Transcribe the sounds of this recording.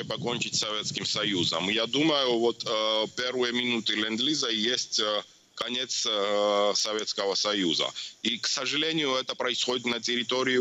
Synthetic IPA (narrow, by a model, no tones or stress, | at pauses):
pɐkonʲt͡ʃɪtʲsɐvʲet̪skʲimsɐjuzə̰mjad̪uməjuvot̪pʲeɾvɨjəmʲɪnut̪ɨlʲɛnd̪lʲizəjesʲtʲ | kɐnʲet̪s | sɐvʲet̪skəvəsɐjuzə̰iksɐʐɨlʲenʲɪjʊɛt̪əpɾɐɪsxodʲɪt̪nɐtʲɪɾʲɪt̪oɾʲɪjʊ